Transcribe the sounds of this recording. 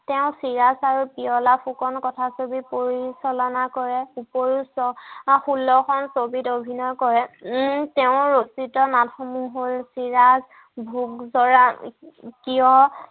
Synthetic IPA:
tɛʊ̃siɹasaɹupiɔlapʰukɔnkɔtʰasobipoɹisɔlɔnakɔɹɛupoɹusɔxulːɔxʰɔnsobitobʱinɔkɔɹɛtɛʊ̃ɹositɔnatʰɔmuɦolsiɹaz | bʱukzɔɹa | kijɔ

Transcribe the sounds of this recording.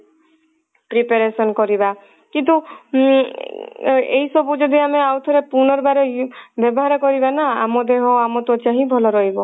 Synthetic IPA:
pɾipaɾesɔnkɔɾiba | kint̪̬u | ḛɦisɔbud͡ʒɔd̪ʱiameawt̪ʰɔɾepunɔɾbaɾebjɔbɔɦaɾɔkɔɾibanaamɔd̪eɦɔamɔt̪uɔt͡ʃaɦĩbʱɔlɔɾɔɦibɔ

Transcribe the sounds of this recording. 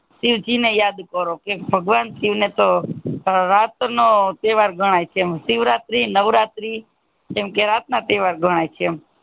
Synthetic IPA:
siʋt͡ʃinejad̪kəɾokebʱəɡʋansiʋnet̪o | ɾat̪not̪eʋaɾɡʱəɽ̃ajt͡ʃʰemsiʋɾat̪ɾinəʋɾat̪ɾi | d͡ʒemkeɾat̪nat̪eʋaɾɡʱəɽ̃ajt͡ʃʰem

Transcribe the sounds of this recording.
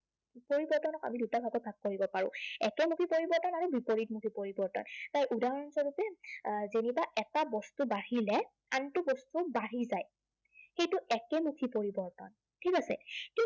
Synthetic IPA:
poɹibɔɹtɔnɔka̰midutabʱaɡɔbʱaɡ̚koɹibɔpaɹʊ̰̃ɛkɛmukʰipoɹibɔɹtɔnaɹubipoɹit̚mukʰipoɹibɔɹtɔ̰ntajʔudaɹɔnsɔɹutɛzenibaʔɛtabɔstubaɦilɛ | antubɔstubaɹizaj | xejtʊʔɛkɛmukʰipoɹibɔɹtɔ̰n | tʰikasɛ̰ki

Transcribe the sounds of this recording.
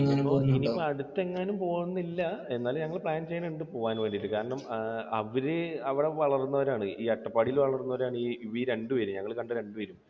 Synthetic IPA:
ɐpːoiniɐɽut̪ːe̞ŋːaːnumpo̞ːɻunːilːɐe̞nːaːlɲɐŋːɐɭpɭaːnt͡ɕejːneɳɖɨpo̞ːʋaːnʋeːɳɖiʈːɨkaːɾɐɳɐmɐʋɐɾɨɐʋiɽeʋɐɭɐrunːɐʋɐɾaːɳɨʔiːɐʈːɐpːaːɽilʋɐɭɐrunːɐʋɐɾaːɳɨiːiʋiɾe̞ɳɖɨʋɐɾumɲɐŋːɐɭkɐɳɖɨɾe̞ɳɖɨʋɐɾum

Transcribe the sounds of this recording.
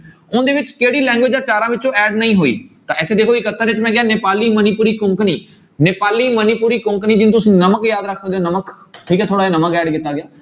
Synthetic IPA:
ʊ̃nnd̪eːʋɪt͡ʃkeːɦɽilɛ̃ːŋɡʋed͡ʒaːt͡ʃaːɾãʋɪt͡ʃoʔɛːɖnɐĩɦoːḭːt̪ɐʔɪt̪ʰed̪eːkʰoikɐt̪əɾɪt͡ʃmẽɡɪjaneːpaːlimɐnipuːɾikʊ̃ːŋkniː | neːpaːlimɐnipuːɾikʊ̃ːŋkənĩd͡ʒɪ̃nt̪ʊsĩnɐməkjaːd̪ɾəkʰsək̚d̪ijonɐmək | ʈʰikt̪ʰoːɽaːenɐməkɛːɖɡɪt̪aɡɪjaː

